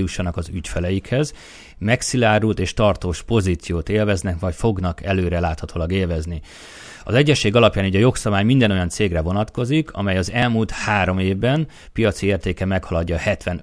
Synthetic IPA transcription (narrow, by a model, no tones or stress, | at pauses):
juʃːɒnɒkɒzycfɛlɛjikhɛz | mɛksilaːɾult̪eːʃt̪ɒrt̪oːʃpo̞zit̪sijoːt̪eːlvɛznɛkvɒcfo̞ɡnɒkɛløːɾɛlaːt̪hɒt̪ʰoːlɒɡeːlvɛzni | ɒ̰zɛɟːɛʃːeːɡɒlɒpjaːnuɟɒjo̞ksɒbaːjmind̪ɛno̞jɒnt̪seːɡrɛvo̞nɒt̪ko̞zikʰɒ̰mɛjɒzɛlmult̪haːɾo̞meːvbɛn | pijɒt̪sieːrt̪eːkɛmɛkhɒlɒɟːɒhɛt̪ʋɛn